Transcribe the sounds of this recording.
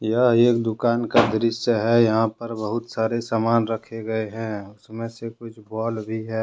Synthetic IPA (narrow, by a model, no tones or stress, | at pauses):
jəɦeːk̚d̪ʊkaːnkad̪ɾɪʃəɦɛjɐɦãpəɾbəɦʊt̪saːɾesamaːnɾəkʰeɡəeɦɛ̃ʊsmẽsekʊt͡ʃʰbɔːlbʱiɦɛː